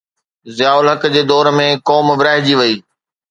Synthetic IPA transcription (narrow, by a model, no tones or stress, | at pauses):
zɪjaːʊlɦɐkd͡ʑeːd̪ɔːɾmẽkɔːmʋɾaːɦd͡ʑiʋɐiː